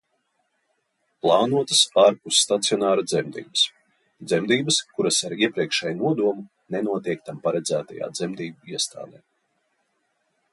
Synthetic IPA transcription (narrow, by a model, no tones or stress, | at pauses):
plˠɑːnuɔt̪əsaːɾpusːt̪at̪sijɔnaːɾad̪zɛmd̪ḭːbəs | d̪zɛmd̪iːbəskuɾasaɾiɛpɾiɛkʃɛjnuɔd̪uɔmu | nɛnuɔt̪iɛk̚t̪ampaɾɛd̪zæːt̪a̰ja̰ːd̪zɛmd̪iːbaiɛst̪a̰ːd̪ɛ̰ː